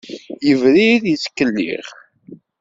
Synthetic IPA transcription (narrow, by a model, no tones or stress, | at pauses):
jəvɾiðjət͡skːəlːḭʁ